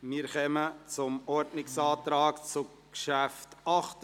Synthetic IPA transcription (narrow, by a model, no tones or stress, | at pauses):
miːɾχœmət͡sʊmɔɾdnɪksɑːt̪ɾɑːkt͡sʊ | kʃæftɑχt